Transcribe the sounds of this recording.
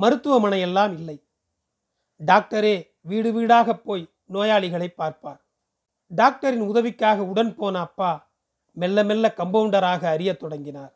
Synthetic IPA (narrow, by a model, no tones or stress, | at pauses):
mɐɾɯt̪ːɯʋɐmɐɳɐjɛlːaːmɪlːɐɪ | ɖaːk̚ʈɐɾeː | ʋiːɽɯʋiːɽaːɣɐpːoːj | noːjaːɭɪɣɐɭɐɪpːaːɾpaːɾ | ɖaːk̚ʈɐɾɪnʊðɐʋɪkːaːɣɐʊɽɐnpoːnɐːpːaː | mɛlːɐmɛlːɐkɐmbɐʋɳɖɐɾaːɣɐːɾɪjɐt̪ːɔɽɐŋɡɪnaːɾ